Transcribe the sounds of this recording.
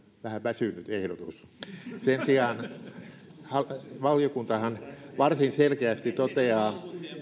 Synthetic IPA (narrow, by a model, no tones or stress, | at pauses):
ʋæhæʋæsynyt̪ehɾot̪ussensiɑːn | hɑʋɑljokunt̪ɑhɑnʋɑrsinselkeæst̪it̪ot̪eɑː